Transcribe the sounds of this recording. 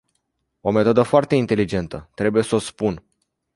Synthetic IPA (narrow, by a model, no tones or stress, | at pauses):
o̞me̞t̪o̞d̪əfoart̪e̞int̪e̞lid͡ʒe̞nt̪ət̪ɾe̞buje̞sospun